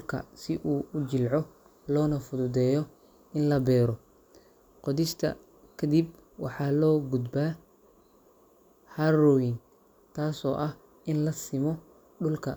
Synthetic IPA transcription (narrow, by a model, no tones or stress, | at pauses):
kʰɐ̰sɪʔuːʊt͡ʃɪlʕɔ | lɔːnɐfʊðʊd̪ɛːjɔ | ɪnlɐbɛːɾɔ | qɔðɪʃt̪ʰɐ̰ | kʰɐd̪ib | wɑ̰ħɑːlɔːɡud̪baː | harɔjɪn | t̪ʰaːsɔ̰ːʔɐh | ʔɪnlɐsɪmɔ | ɖʊlkʰɐ